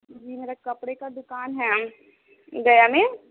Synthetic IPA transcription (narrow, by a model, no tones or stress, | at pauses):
d͡ʒiːmeːɾakɐpɽekad̪ʊkaːnɦɛː | ɡɐjamẽː